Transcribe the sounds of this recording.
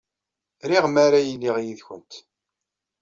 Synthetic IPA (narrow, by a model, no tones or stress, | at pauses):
ɾiʁmaɾajəlːiʁjiðçə̰nt̪